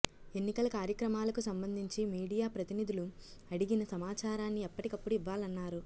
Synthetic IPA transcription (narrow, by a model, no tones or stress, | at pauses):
e̞nːikɐlɐkaːɾjɐkɾɐmaːlɐkusɐmbɐnd̪ʱiɲt͡ʃimiːɽijaːpɾɐt̪inid̪ʱulu | ɐɽiɡinɐsɐmaːt͡ʃaːɾaːnːiɛpːɐʈikɐpːuɽuiʋːaːlɐnːaːɾu